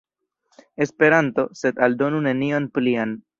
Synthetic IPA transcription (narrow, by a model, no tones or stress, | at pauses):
e̞spe̞ɾanto̞se̞daldo̞nune̞nionplian